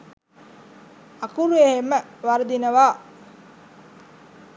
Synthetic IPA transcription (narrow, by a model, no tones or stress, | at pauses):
akuɾuehemːəʋaɾd̪inəʋaː